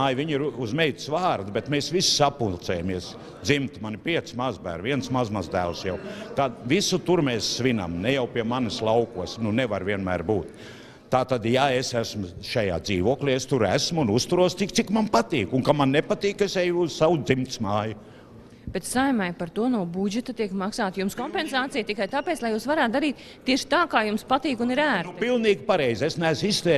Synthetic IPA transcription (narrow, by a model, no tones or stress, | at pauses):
aːjviɲiɾuzmɛjt̪svaːɾd̪ubet̪meːsʋissapulˠt̪sɛːjamiɛs | d̪zimt̪manipʲiɛt̪smazbæ̰ːɾviɛnsmazmazd̪æːlˠsjawt̪ad̪visut̪uɾmɛːsːʋina̰mnɛjawpiɛmanɪslˠawkuɔsnuneʋaɾʋviɛnmæːɾbuːt̪ | t̪ːaːt̪ad̪jaesæsmʊʃaja̰ːd̪ziːʋuɔklʲiːest̪uɾæsmunust̪uɾuɔst̪ik̚t̪sikmanpat̪iːkuŋkamannepat̪iːkesejusawd̪zimt̪smaːjʊ | b̥et̪sajmajpaɾt̪uɔnuɔbud͡ʒɛt̪ɐt̪iɛkmaksaːt̪jumskɔmpensaːt̪sijt̪ikajt̪aːpeːt̪slˠɐjuːsʋaɾaːt̪̚d̪aɾiːt̪ | t̪ːiɛʃɪ̥t̪aːkaːjumspat̪iːkuniɾæːɾt̪pilˠniːɡpaɾɛjzʲesnæːsist̪ɛː